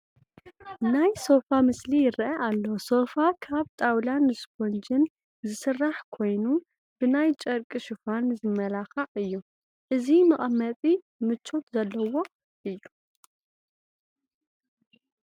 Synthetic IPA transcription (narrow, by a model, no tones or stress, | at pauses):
najso̞famɨslijɪɾʔɐʔalːoso̞fakʰaβt̪ʼawlanːɨskʰond͡ʒɨn | zɨsɨrːaħkʰo̞jnu | b̥ɨnajt͡ʃʼɐɾkʼɨʃɪfanzɨmɐlaxaʔʼɨjːu | ʔɨzimɨχʼɐmɐt̪ʼi | mɨt͡ʃʰːo̞t̪zɐlːɐwo̞ | ʔɨjːu